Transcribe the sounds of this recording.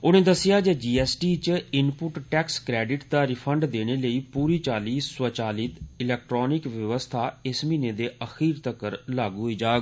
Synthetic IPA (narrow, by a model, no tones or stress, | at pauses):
ʊñẽːd̪əsɪjaːd͡ʒeːd͡ʒiːɛːsʈiːt͡ʃɪnpʊʈʈɛːkskɾɛːɖɪʈd̪aːɾɪpʰəɳɖd̪eːɽ̃eːləiːpuːɾiːt͡ʃaːliːsːət͡ʃaːliːt̪ɪlɛːk̚ʈɾɔːnɪkʋjəʋəst̪ʰaːɪsmiːneːd̪eːəxiːɾt̪əkːəɾlaːɡuːɦoiːd͡ʒaːɡ